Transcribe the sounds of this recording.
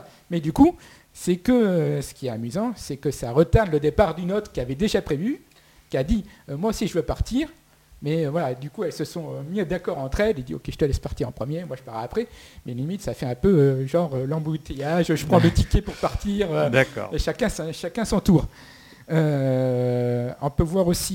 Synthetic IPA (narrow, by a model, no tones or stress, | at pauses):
mɛd̪yku | sɛkəsə̥kʲiɛt̪amyzɑ̃sɛkəsaʁət̪aʁnləd̪epaʁd̪ynot̪χkʲiavɛd̪eʒapχevy | kʲiad̪imwaosiʒəvøpaʁt̪ʰiːʁ | mɛøvwalad̪ykuɛlsəsɔ̃ømid̪akɔʁɑ̃t̪χɛled̪io̰kʲeʒə̥t̪əlɛspaʁt̪iʁɑ̃pχəmjemwaʒəpaʁaːpχɛmɛlimit̪safɛɛ̃pøøʒɑ̃ʁølɑ̃but̪ejaʒʒəpχɑ̃d̪ət̪ikʲepuʁpaʁt̪iːʁød̪akɔ̰eʃakʲɛ̃sʃakʲɛ̃sɑ̃t̪uːʁ | ø | ɔ̃pøvwaʁosi